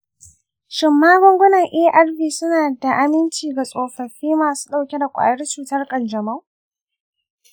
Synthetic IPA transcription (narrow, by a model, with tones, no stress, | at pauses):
ʃɪ˨mːaː˦ɡʷʊ˦ŋɡʷʊ˦nɐ˨ŋʔi˦ʔa˦rɸiː˨sʊ˦naː˨da˨ʔa˨mɪ˦nt͡ʃiː˨ɡa˨sʼoː˨ɸɐ˨ɸiː˦maː˨su̥ː˦ɗa˦˨wkʲɛ˦da˨kʷʼa̰ː˨jɐ˦rt͡ʃuː˨tɐ˦rkʼɐ˨nd͡ʒɐ˨ma˦